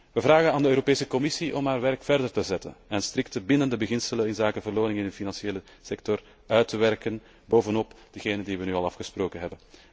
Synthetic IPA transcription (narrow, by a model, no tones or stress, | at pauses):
ʋəvraːɣənaːndəøːɾopeːsəkɔmɪsiʔɔmɦaːrʋɛrkfɛrdərtəzɛtə̰nɛnstɾɪk̚təbɪndəndəbəɣɪnsələnɪnzaːkəvərloːnɪŋɪnəfinɑnsjeːlə | sɛk̚tɔr | œːɥtəʋɛrkən | boːvənɔpd̥əɣeːnəndiʋənyːɑlˠɑfxəsproːkənɦɛbən